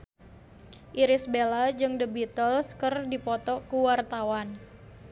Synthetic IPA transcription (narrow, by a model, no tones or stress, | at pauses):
ʔiɾɪsbelad͡ʒɨŋdəbit̪əlskərdipɔt̪ɔkuwart̪awan